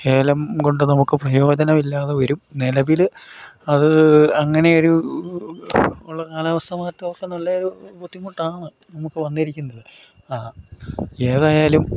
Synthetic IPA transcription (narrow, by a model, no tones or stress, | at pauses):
eːlɐmko̞ɳɖɨnɐmukːɨprɐjo̞ːd͡ʑɐnɐmilːaːðeʋɐɾumnelɐbilɐðɨɐŋːɐne̞o̞ɾu | uɭːɐnaːlɐɐʋɐst̪ʰɐmaːtːɨoːkːenuɭːɐoɾubut̪ʰːimːuʈːaːɳɨ | nɐmukːɨʋɐnːiɐɾikʲːunːɐðɨ | aː | e̞ːðaːjaːlum